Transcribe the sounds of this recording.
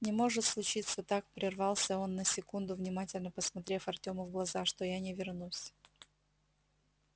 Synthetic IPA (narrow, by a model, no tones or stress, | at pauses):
nʲɪmo̞ʐɨt̪slˠʊt͡ɕit̪sət̪ak̚pɾʲɪrvɑlˠsʲəo̞nːəsʲɪkund̪ʊvnʲɪmatʲɪlʲnəpəsmɐt̪ɾʲe̞fɐrtʲoməvɡlˠɐzaʂt̪ojanʲɪvʲɪrnusʲ